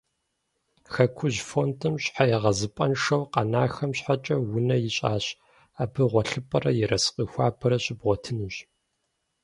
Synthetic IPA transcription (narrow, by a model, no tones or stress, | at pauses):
xɐkʷʰʊʑfontʰɨmɕħajɛʁɐzɨpʼɐnʂɐwqɐnaːxɐmɕħat͡ʃʼɐwʊnɐjɪɕʼaːɕ | aːbɨʁʷɔɬɨpʼɐrɐjɪɾɐsqʼiːxʷaːpʰɐɾɐɕʼɪbʁʷɔtʰɨnɨʑ